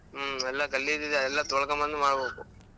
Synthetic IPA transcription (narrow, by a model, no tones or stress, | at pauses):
ɛlːɐkɐlːid̪id̪eɐɛlːat̪ɔɭɐkɐmɐnd̪umaːɽɐbeːku